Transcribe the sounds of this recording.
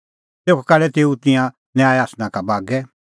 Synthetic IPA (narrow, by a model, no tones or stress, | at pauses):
t̪eːkʰɔkalɛt̪eːut̪ɪ̃jã | njaːɛaːsnãkabaːɡɛ